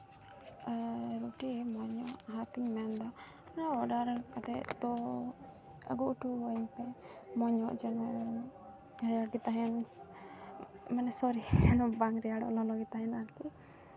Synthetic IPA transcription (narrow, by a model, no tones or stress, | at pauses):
ɾuʈimɔɲɔʔɦat̪iŋmɛnd̪a | naɔɖaɾakat̪ɛt̪ɔ | ə̰ɡuuʈuɔmpɛmɔɲɔ̰ʔd͡ʒɛn | ɾɛjaɽɡit̪aɦɛn | manɛsɔɾid͡ʒɛnbaŋɾɛjaɽɔ̰lɔlɔɡit̪aɦɛnaɾk̪i